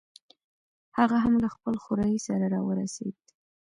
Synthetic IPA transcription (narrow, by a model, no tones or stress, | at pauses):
haɣaɦamlaxpəlxʊɾɑjisaɾaɾɑwəɾa̰sḛd̪